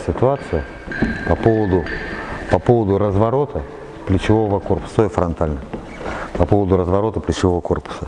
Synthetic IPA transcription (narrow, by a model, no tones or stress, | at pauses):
sʲɪt̪ʊat̪sɨjʊ | pɐpo̞vəd̪ʊpɐpo̞vəd̪ʊɾəzvɐɾo̞t̪ʰə | plʲɪt͡ɕɪvo̞vəko̞rpʊ̥sət̪oɪfɾɐnt̪alʲnə | pɐpovəd̪ʊɾəzvɐɾo̞t̪əplʲɪt͡ɕɪvo̞vəko̞rpʊ̥sə